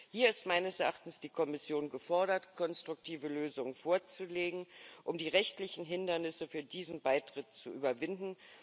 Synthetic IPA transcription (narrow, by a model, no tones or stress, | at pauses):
hiːɐɪstmaɪnəsɛɐʔaχtn̩sd̥iːkʰɔmɪsjoːnɡəfɔɐɾɐtkʰɔnstʁ̥ʊk̚tʰiːvəløːzʊŋənfoːɐt͡suleːɡŋ̩ʔʊmdiːʁɛçtlɪçn̩ɦɪndɐnɪsəfyːɐdiːzn̩baɪtʁ̥ɪtt͡suʔyːbɐvɪndn̩